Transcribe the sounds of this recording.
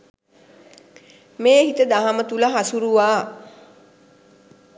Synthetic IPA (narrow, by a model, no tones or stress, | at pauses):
meːɦit̪əd̪aɦamət̪uləɦasuɾuʋaː